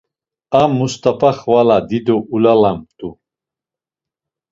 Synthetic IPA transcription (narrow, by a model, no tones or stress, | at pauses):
amːust̪ʰʼapʰaχvalad̪id̪ɔʔulalamt̪ʼu